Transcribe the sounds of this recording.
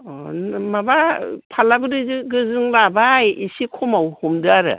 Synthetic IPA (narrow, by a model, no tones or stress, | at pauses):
ɔnmabapʰalabɯɾɯzɯɡɯzɯŋɾabajisikʰɔmawhɔmdɯaɾɯ̰